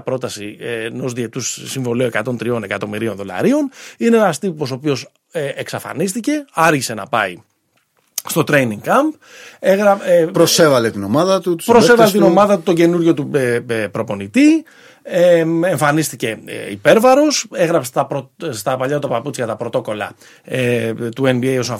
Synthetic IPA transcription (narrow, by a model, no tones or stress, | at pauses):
pɾo̞t̪ɐsieno̞zðie̞t̪ussiɱvo̞lioe̞kɐt̪o̞nt̪ɾio̞ne̞kɐt̪o̞miɾi̞nðo̞lɐ̰ɾio̞nineenɐst̪ipos̬opio̞s | eeksɐfɐ̰nist̪ice̞ɐɾçise̞nɐpɐi | st̪ot̪ɾe̞jniŋkɐmp | eɣɾɐepɾosevɐlet̪ino̞mɐðɐt̪ut̪pɾosevɐlet̪ino̞mɐðɐt̪ut̪o̞ɲɟe̞nuɾʝo̞t̪upɾo̞po̞nit̪i | eeɱfɐnist̪ice̞̰ḭpe̞ɾvɐɾo̞seɣɾɐpst̪ɐpɾost̪ɐpɐʎɐt̪ut̪ɐpɐput͡sçɐt̪ɐpɾo̞t̪o̞ko̞lɐ̰ | et̪ue̞nbiejo̞sɐn